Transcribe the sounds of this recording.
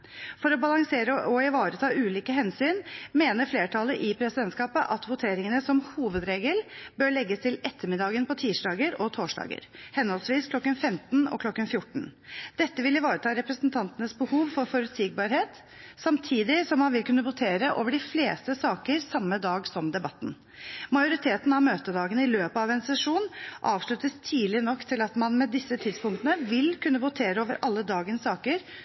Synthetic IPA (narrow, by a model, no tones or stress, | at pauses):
fɔɾɔbɑlɑŋseːɾəʔɔɪʋɑːɾət̪ʰɑːʔʉːliːkəɦɛnsyːnmeːnəɾfleːʈʰɑləʔɪpʰɾɛsɪd̪ɛnt̪skɑːpəʔɑt̪ʋʊt̪ʰeːɾɪŋənəsɔmhuːʋəd̪ɾeːɡəlbøːɾɭɛɡːəst̪ʰɪlɛt̪ʰːəmɪd̪ɑːɡənpʰɔt̪ʰiːʂɖɑːɡəɾɔt̪ʰoːʂɖɑ̰ːɡə̰ɾhɛnhɔlsʋiːskʰlɔkːənfɛmt̪nɔ̰kʰlɔkːənfjʊʈːɳ̩d̪̥ɛt̪ːəʋɪlɪʋɑːɾət̪ʰɑːɾɛpɾəsnt̪ʰɑnt̪ənəsbəhuːʋfɔɾfɔɾʉt̪siːɡ̚bɑɾheːt̪ | sɑmt̪ʰiːd̪ɪsɔmːɑnʋɪlkʉnːəʋʊt̪ʰeːɾəʔo̰ːʋəɖɪfleːst̪əsɑːkəɾsɑmːəd̪ɑːɡsɔmd̪ɛbɑt̪ːn̩ | mɑɪjʊɾɪt̪ʰeːt̪n̩ɑʋmøːt̪əd̪ɑːɡənɪløːpəɑʋɛnsɛʂuːnʔɑːʋʂɭʉt̪əst̪ʰiːlɪnɔkːt̪ʰɪlɑt̪mɑnmɛd̪ɪsːət̪ʰɪd̪spʊŋkt̪ənəʋɪlkʰʉnːəʋʊt̪ʰeːɾəoːʋəɾʔɑlːəd̪ɑːɡənsɑːkəɾ